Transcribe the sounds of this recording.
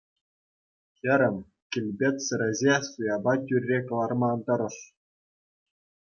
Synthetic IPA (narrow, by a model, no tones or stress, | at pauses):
xʲɘ̆ɾʲɘ̆mʲ | kʲilʲbʲet̪ʲsɘ̆ɾʲɘ̆zʲesujɑbɑtʲyrʲːekɤ̆lˠɑrmɑnt̪ɤ̆ɾɤ̆ʂ